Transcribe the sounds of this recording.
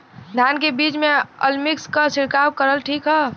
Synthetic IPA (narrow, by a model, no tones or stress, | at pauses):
d̪ʱjankebiːt͡ʃmẽəlmikskasɪɾkab̚kəɾəlʈʰiːkɦɛ